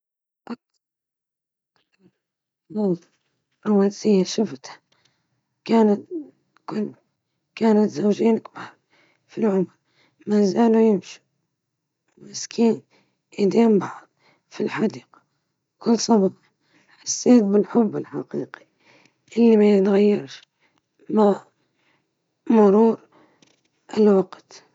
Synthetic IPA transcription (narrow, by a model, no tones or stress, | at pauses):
ʔak̚t̪ɑɾ | kt̪ɑɾ | ðˤɑlt̪ | ɾawasijːaʃʊft̪hḁ | kaːnat̪ | kʊl | kaːnat̪zawd͡ʒeːnakbaːɾˤ | filʕʊmɾ | maːzaːlujɪmʃi̥ | mɪskʰiːn | ʔɪd̪eːmbɑʕd̪ˤ | filħad̪iːqḁ | kʊlːsˤɑbɾ | ħḁsːeːt̪̚bɪlħʊbːɪlħa̰qiːqi̥ | ʔɪlːimajɪt̪ɣajːɑɾˤʃ | ma | mʊɾuːɾ | ʔɪlwaqt̪